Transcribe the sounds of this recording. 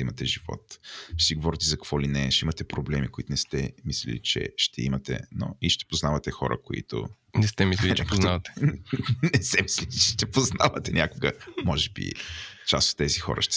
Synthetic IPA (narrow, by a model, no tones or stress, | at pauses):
imɐt̪ɛʒivɔ̰t̪ʃsiɡovɔɾit̪ɛzɐkɐ̥kvɔlinɛʃimɐt̪ɛpɾoblɛmikoit̪ʊnɛst̪ɛmislḭlḭt͡ʃɛ̰ʃt̪ʰɛimɐt̪ɛ̰no̰iʃt̪ɛ̥poznavɐt̪ɛxɔɾʔə̰koḭt̪ʊ̰ | nɛst̪ɛmisʲilt͡ʃɛponavət̪ɛ̥ | nɛsɛmisliit͡ʃɛʃt̪ɛpoznavɐt̪ɛnʲʔakʊɡəmɔʒɛbḭt͡ʃast̪o̥t̪ːɛzixɔ̰ɾə̰ʃt̪ɛ